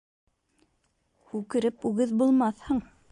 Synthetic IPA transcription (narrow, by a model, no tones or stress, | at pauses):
hʉkɘ̆ɾɘpʉɣɘðbulˠmɑθhɤɴ